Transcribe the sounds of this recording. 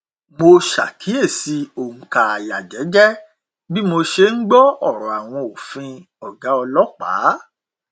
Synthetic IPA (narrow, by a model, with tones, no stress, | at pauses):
mo˧ʃa̰˨kʰi˨˦e˦˨si˧˦o˨ŋ̩˨ka˨a˨ja˨d͡ʒɛ˨˦d͡ʒɛ˦ | bi˦mo˧ʃe˧n̩˦ɡ͡bɔ˦ɔ˦˨ɾɔ̃˨a˨w̃ɔ̃˧o˨fĩ˧ | ɔ˨ɡa˨˦ɔ˧lɔ˦k͡pa̰˨˦